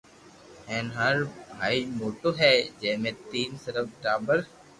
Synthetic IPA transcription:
ɛ̃ːnɦaɾaːimoːʈoɦɛːd͡ʒɛːɦmẽt̪iːnsəɾəfʈaːbəɾ

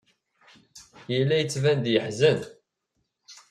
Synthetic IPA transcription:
jəlːæjət͡sːvænd̪jəħzən

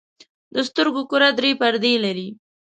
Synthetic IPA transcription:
d̪əst̪əɾɡokʊɾad̪ɾepaɾd̪elaɾi

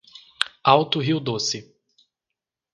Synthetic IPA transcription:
awt̪ʊɦiwd̪osɪ

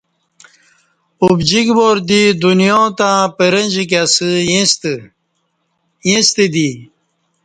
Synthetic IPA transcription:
ubd͡ʑiɡboːɾd̪id̪unjot̪ãːpeɾenʲd͡ʑik̬asɨs | jĩst̪ed̪i

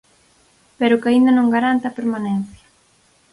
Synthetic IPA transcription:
peɾʊkaind̪ɐnõŋɡaɾant̪apeɾmanen̟θjɐ̥

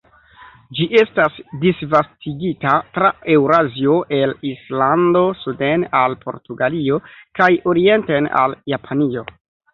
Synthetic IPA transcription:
d͡ʒiʔe̞stasdisvastʰiɡitatɾae̞wɾazio̞ʔe̞lislando̞sudenalpʰo̞̰ɾtuɡalio̞kajo̞ɾie̞ntena̰ljapʰanio̞

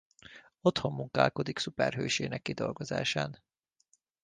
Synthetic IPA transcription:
o̞t̪ho̞mːuŋkaːlko̞d̪iksupɛrɦøːʃeːnɛkːid̪o̞lɡo̞za̰ːʃaːn

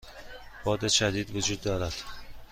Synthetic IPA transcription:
b̥ɒːd̪eʃad̪id̪vʊd͡ʒud̪ːɒːɾad̪̥

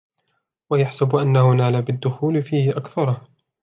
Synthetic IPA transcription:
wajaħsabʔanːahʊnaːlaːbɪd̪ːʊxuːlɪfiːhɪʔakθɑɾˤɑ

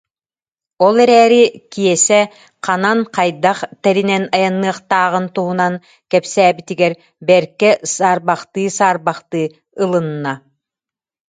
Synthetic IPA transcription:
ɔlˠɛɾɛːɾikijɛsɛ | qananqajd̪aχt̪ɛɾinɛnajanːɯɐqt̪aːʁɯnt̪uɦunaŋ | kɛpsɛːbit̪iɡɛɾ | bɛɾkɛsaːɾbaχt̪ɯːsaːɾbaχt̪ɯː | ɯlˠɯnːa

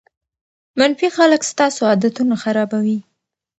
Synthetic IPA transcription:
manfixaləkst̪ɑsoɑd̪at̪unaxaɾɑbawi

